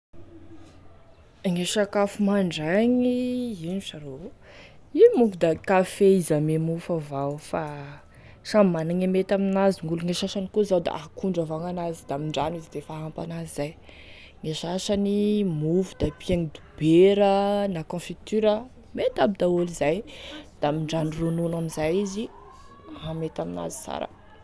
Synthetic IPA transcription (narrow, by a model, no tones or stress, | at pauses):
ŋeʃakafumaɳɖ͡ʐaɲiiniʃaɾo | imuvud̪akafeizamemufavawfa | ʂamimanaŋemet̪aminaziŋuluŋeʃaʃanikozawd̪a̰ʔakʰuɳɖ͡ʐavaŋanazid̪aamiɳɖ͡ʐanizid̪efaɦampa̰nazizaj | ŋeʃaʃanimufud̪̥apiaŋid̪ubeɾənakɔ̃fit̪yɾə | met̪abid̪aolizajd̪̥amiɳɖ͡ʐanirununamizajizi | amet̪amina̰zi̥sa̰ɾə̰